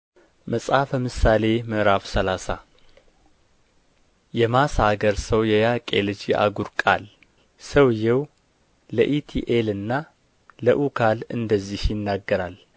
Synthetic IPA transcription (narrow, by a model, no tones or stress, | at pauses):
məsʼafəmɨsale̞mɨʔɾafsəlasa̰ | jɛmashaɡəɾsəwjɛjakʼḛlɨd͡ʒʔa̰ɡuɾkʼa̰l | səwjɛw | ləʔit̪ʰiʔelɨnːa | ləʔukʰalɨnd̪əzːihjɪnːaɡːəɾal